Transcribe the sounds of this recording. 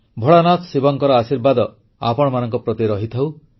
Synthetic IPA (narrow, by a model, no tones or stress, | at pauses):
bʱɔɭanat̪sibɔŋkɔɾɔasiɾbad̪ɔ | a̰pɔɽ̃ɔmanɔŋkɔpɾɔt̪iɾɔɦit̪ʰaw